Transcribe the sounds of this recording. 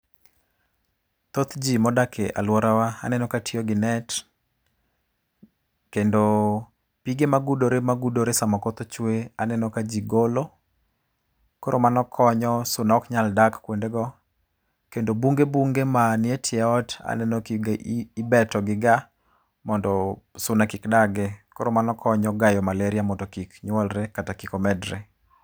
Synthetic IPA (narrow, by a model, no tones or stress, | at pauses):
t̪ot̪d͡ʒimɔdakʰḛʔa̰lwɔɾawaa̰nɛnɔkatiɔɡɪnɛt | kendo | piɡemaɡudoɾemaɡudoɾesamɔkot̪ot͡ʃweanɛnɔkad͡ʒiɡolo | koɾʔomanɔkʰɔɲɔsʊnaɔkɲaldakkwendeɡɔ | kendobuŋɡebuŋɡemanɪetʰɪɛɔta̰nɛnɔɡibɛtɔɡɪɡa | mɔndɔsʊnakikdaɡekoɾomanɔkʰɔɲɔɡajɔmaleɾiamɔtɔkikɲwɔlɾɛkatakikɔmɛdɾḛ